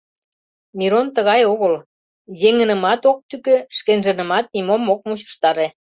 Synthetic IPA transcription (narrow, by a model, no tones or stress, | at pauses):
miɾont̪əɣɑjoɣəl | jeŋə̆nə̆mɑt̪ok̚t̪ykø̆ʃkenʒə̆nə̆mɑt̪̚nʲimomːok̚mut͡ɕɤ̥ə̥̆ʃt̪ɑɾe